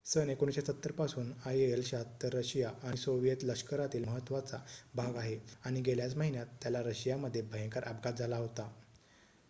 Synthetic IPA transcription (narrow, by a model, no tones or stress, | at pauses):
sənekoɳ̃ɕesət̪ːəɾpasuːnajeelɕat̪ːəɾəɕijaʔañisoʋjet̪ləkʂkəɾat̪iːlməɦət̪ːʋat͡sabʱaɡaɦeaɽ̃iɡʱeljat͡sməɦinjat̪ːjalaɾəɕijaməd̪ʱːjebʱəɦə̃ŋkəɾʔapɡat̪d͡zʱalaɦot̪a